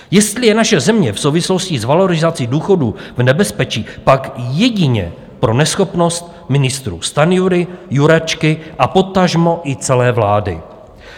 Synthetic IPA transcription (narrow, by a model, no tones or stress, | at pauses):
jɛst̪lɪjɛnaʃɛzɛmɲɛfsowvɪslo̞scɪzvalo̞ɾɪzat͡siduːxo̞duvnɛbɛspɛt͡ʃiːpakjɛɟɪɲɛ̰ | pɾo̞nɛsxo̞pno̞st̪̚ | mɪnɪst̪ɾṵːst̪anjuɾɪjuɾat͡ʃkɪʔapo̞t̪aʒmo̞ʔɪt͡sɛlɛːvlaːdɪ̰